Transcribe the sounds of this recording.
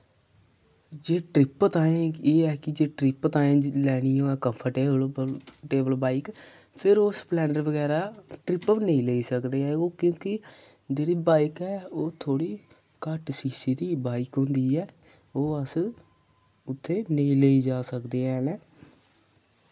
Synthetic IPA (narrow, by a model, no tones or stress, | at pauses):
d͡ʒeːʈɾɪpt̪ãːẽːeːɛːkɪd͡ʒeːʈɾɪpt̪aːẽːlɛːɽ̃ijõːɛːkəmpʰəɾʈeːbəlʈeːbəlbaːik | pʰɪɾosplɛːɳɖəɾʋəɡɛːɾaːʈɾɪpʋneĩːleːiːsəkd̪eːɛːoːkjõːkɪ | d͡ʒeːɽiːbaːikɛːoːt̪ʰoːɽiː | kəʈsiːsiːd̪iːbaːɪkɦʊ̃ːnd̪iːɛː | oːəs | ʊt̪ʰːeːneiːleːiːd͡ʒaːsəkd̪eːɛːnẽː